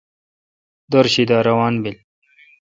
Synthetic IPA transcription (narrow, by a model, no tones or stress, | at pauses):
d̪oɾɕid̪aːɾɐwaːnbil